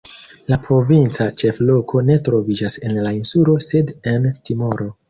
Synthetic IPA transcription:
lapɾo̞vint͡sat͡ʃe̞flo̞kʰo̞ne̞tɾo̞vid͡ʒase̞nlainsulo̞se̞de̞ntimo̞ɾo̞

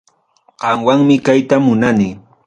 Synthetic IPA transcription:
ɢ̥ɑmwaŋmɪkajt̪amʊnanɪ

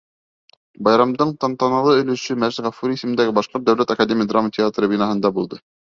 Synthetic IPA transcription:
bɑjɾɑmd̪ɤɴt̪ɑnt̪ɑnɑlˠɤɵ̆lɵ̆ʃɵmæʒt̪ʁɑfuɾisɘ̆mɘ̆nd̪æɡɘbɑʃqoɾ̚d̪æwlæt̪ɐkadʲemʲijəd̪ramːətʲɪat̪ɾɤbinɑɦɤ̆nd̪ɑbulˠd̪ɤ

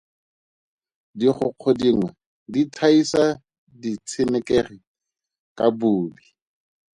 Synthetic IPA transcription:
diχʊq͡χʰɔdiŋwɛ | ditʰaisa | dit͡sʰɪnɛkɛχɪ | kʼabuːbi

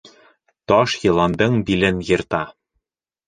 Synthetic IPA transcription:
t̪ɒʃjɤ̆lˠɑnd̪ɤɴbilɘnjɤ̆ɾt̪ɑ

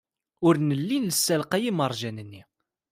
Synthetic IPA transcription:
ʊɾnəlːinləsːælqæjiməɾˤʒænənːi

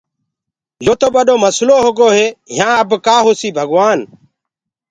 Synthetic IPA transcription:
joːt̪oːɓəɗoːməsloːɦoːɡoːɦeːɦjãːəbkaːɦoːsiːbʱəɡʋaːn

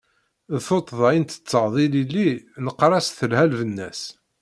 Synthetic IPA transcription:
ðθot̪ˤðˤɑjənt̪ə̥t͡sːəʁðˤililːinəqːɾˤɑsθəlhælvənːæs

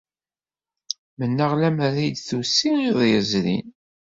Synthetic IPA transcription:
mənːəʁlæmɾæjd̪θusːiiðˤjəzɾḭn

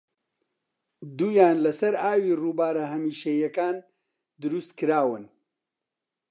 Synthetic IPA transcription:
d̪uːjaːnlɐsɐɾaːwiːruːbaːɾɐɦɐmiːʃɐjɐkaːn | d̪ɨɾust̪kɨɾaːwɨn

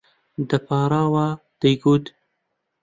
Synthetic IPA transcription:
d̪ɐpʰɑːɾɑːwaː | d̪̥ɐjɡuːt̪

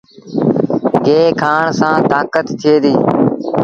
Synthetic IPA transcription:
ɡeːkʰaːɳsãːt̪aːkət̪ːʰɪeːd̪iː

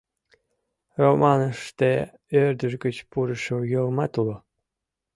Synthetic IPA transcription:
romɑnəʂt̪e | ørd̪ə̆ʒɡə̆t͡ɕpuɾə̆ʃojɤlmɑt̪ulo

